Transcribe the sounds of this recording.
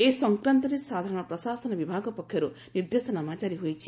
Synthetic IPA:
esɔŋkɾant̪ɔɾesad̪ʱaɾɔɽ̃ɔpɾɔsasɔnɔbibʱaɡɔpɔkʰːjɔɾu | niɾd̪esɔnɔmat͡ʃaɾiɦojt͡ʃʰi

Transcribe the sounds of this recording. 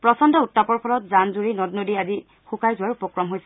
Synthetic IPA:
pɹɔsɔndɔutːapɔɹpʰɔlɔtzanzuɹinɔdnodiazi | xukajzʊwaɹupɔkɹɔmɦojsɛ

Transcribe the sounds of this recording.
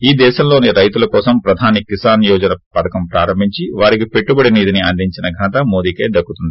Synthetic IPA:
iːd̪ɛːʃɐmlo̞ːniɾɐjt̪ulɐkɔːsɐmpɾɐd̪ʱaːnikisaːɾnjɔːd͡ʒɐnɐpɐd̪ɐkɐmpɾaːɾɐmbʱiɲt͡ʃiʋaːɾik̬ipe̞ʈːubɐɽiniːd̪iniɐɳɖiɲt͡ʃinɐɡʱɐnɐt̪ɐmo̞ːd̪iːkeːd̪ɐkːut̪undii

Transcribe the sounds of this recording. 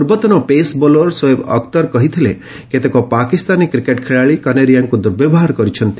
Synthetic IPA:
uɾbɔt̪ɔnɔpesbolɔɾsɔebɔ̰kt̪ɔɾkɔɦit̪ʰile | ket̪ekɔpakist̪anikɾikeʈkʰeɭaɭikaneɖijaŋkud̪uɾbebɔɦaɾkɔɾit͡ʃʰɔnt̪i̥

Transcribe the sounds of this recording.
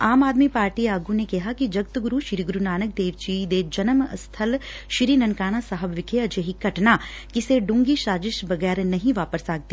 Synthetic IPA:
aːmaːd̪mipaːɾʈiaːɡunekɐɦakid͡ʒɐɡ̚t̪ɡʊɾuʃɪɾiːɡɾunaːnək̚d̪eːʋt͡ʃid̪ed͡ʒɐnəməst̪ʰɐlʃɪɾiːnɐnkaːñasaɦəbʋɪkʰeɐd͡ʒeɦikɐʈna | kɪseɖʊ̃ŋɡiʃaːd͡ʒɪʃbɐɡɛːɾnɐɦĩʋaːpəɾsaːɡ̚t̪i

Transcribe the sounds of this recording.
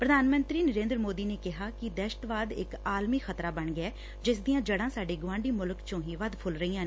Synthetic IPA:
pɾəd̪ʱaːnmənt̪ɾiːnəɾẽːnd̪ɾmoːd̪iːneːkɪɦaːkɪd̪ɛːʃə̥t̪ʋaːd̪ɪ̰kaːlmiːxət̪ɾaːbəɳɡɪɛː | d͡ʒɪsd̪ijãːd͡ʒəɽãːsaːɖeːɡʊʋãːɳɖiːmʊlkt͡ʃõːɦiːʋəd̪pʰʊlɾəiːãː

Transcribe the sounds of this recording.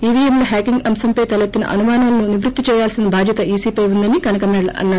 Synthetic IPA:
iːʋiɐmloːɦaːkiŋɡɐmsɐmpɐjt̪ɐlɐt̪ːinɐ̰ʔɐ̰numaːnaːlɐnuniʋɾut̪ːit͡ʃɛːjaːlsinɐbʱaːd̪ʱjɐt̪ɐʔiːsiːpɐjund̪ɐnikɐnɐkɐmɛːɽlɐ̰ɐ̰nːaː

